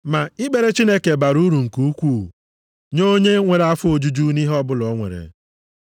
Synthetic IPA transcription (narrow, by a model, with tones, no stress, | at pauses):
ma˨i˦ɡ͡be˨ɾe˦t͡ʃi˦ne˦ke˨ba˨ɾu˦ɾu˨ŋ̩˨ku˦u˦kʷu˦˨ | ɲo˦ɲe˦ŋʷe˨ɾa˦fʊ˦o˨d͡ʒu˦d͡ʒu˦ni˦ɦɔ˦bʊ˦lɔ˨˦ŋʷḛ˨ɾḛ˨